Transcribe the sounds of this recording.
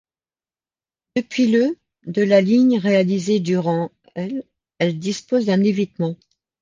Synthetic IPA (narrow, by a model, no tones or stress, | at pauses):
d̪̥əpɥilə | d̪əlaliɲʁealized̪yʁɑ̃ | ɛl | ɛld̪ispozd̪ɛ̃nevit̪mɑ̃